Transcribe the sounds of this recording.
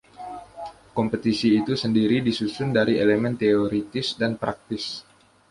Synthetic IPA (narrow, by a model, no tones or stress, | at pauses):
kɔmpət̪isiːt̪usəndiɾidisusʊndaɾielemɛnt̪eoɾit̪ɪsdanpɾak̚t̪ɪs